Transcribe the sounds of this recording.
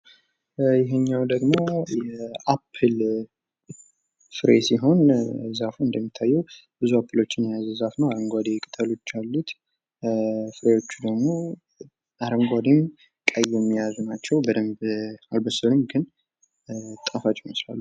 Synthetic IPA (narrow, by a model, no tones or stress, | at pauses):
jɪɦɛɲːawd̪əɡmo̞jɛapʰːɨl | fɨɾesiɦo̞nzafuɨnd̪əmːit̪ʰːajːɛwb̥ɨzuapʰːɨlo̞t͡ʃːɪnjazzafnəwaɾəŋɡʷad̪ekʼɨ̥t̪ʰəlo̞t͡ʃːalːut̪ | fɨɾewo̞t͡ʃːud̪əɡmo̞ | aɾəŋɡʷad̪em | kʼəjɛmːijazunat͡ʃːɛwbəd̪əmbalbəsəlɨmɡɨn | t̪ʼafat͡ʃʼːiməsla̰lːu